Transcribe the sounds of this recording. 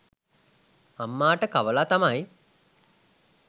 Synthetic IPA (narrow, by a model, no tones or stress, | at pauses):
amːaːʈəkaʋəlat̪amaj